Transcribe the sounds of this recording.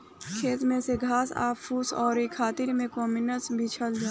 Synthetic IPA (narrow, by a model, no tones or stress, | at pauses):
kʰeːt̪mẽseɡʱaːsa̰ːpːuːsɔːɾekʰaːt̪ɪɾmẽkɔːmɪnəsbʱit͡ʃʰəld͡ʒaː